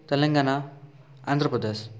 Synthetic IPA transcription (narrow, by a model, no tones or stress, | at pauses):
t̪ɛlɐŋɡaːna | a̰ːnd̪ɾɐpɾɐd̪es